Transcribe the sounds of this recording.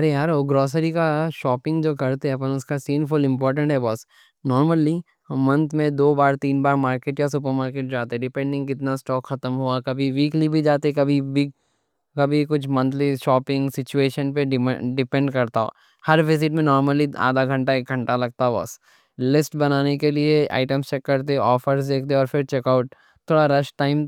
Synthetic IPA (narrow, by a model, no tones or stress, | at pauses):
ɐɾejaːɾoːɡɾɔːs̬əɾikaʃɔːpɪ̃ŋɡd͡ʒoːkɐɾt̪eɦɛpənʊskasiːnfʊlɪ̃mpɔːɾʈ̬ə̃ɳʈɦɛbɔːs | nɔːɾməli | mɐ̃nt̪ʰmẽd̪oːbaːɾt̪iːnbaːɾmaːɾkeːʈjas̬ʊp̬əɾmaːɾkeːʈ̚d͡ʒaːt̪ɛɖɪpɛ̃ɳɖɪ̃ŋɡkɪt̪nasʈɔːkxɐt̪əmɦuakɐbʱiʋiːklibʱid͡ʒaːt̪eɛkɐbʱibi | kɐbʱikʊt͡ʃʰmɐ̃nt̪ʰliʃɔːpɪ̃ŋɡsɪt͡ʃueːʃənpeɖɪɖɪpɛ̃ɳɖkɐɾt̪ao̰ | hɐɾʋɪzɪʈmẽnɔːɾməlia̰ːd̪aɡʱɐ̃ɳʈaeːk̚ɡʱɐ̃ɳʈalɐɡ̚t̪aɦbɐ̰s | lɪsʈbɐnaːnekeliea̰ːɪʈəmst͡ʃɛkːɐɾt̪̬eɔːfəɾsd̪eːkʰt̪eɔːɾfɪɾt͡ʃeːkaʊʈ̚ | t̪ʰːoːɽaɾɐʃʈʈaːɪm